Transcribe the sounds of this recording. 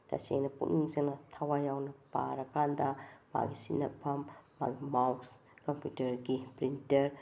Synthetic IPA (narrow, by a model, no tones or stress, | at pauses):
tɐ̰sḛŋnɐpṵniŋzeŋnɐtʰɐwajawnɐpa̰ɾɐkʰandɐma̰ɡisinɐpʰːɐmː | a̰ɡimawks | kɐmpjutɐɾɡipɾintɐɾ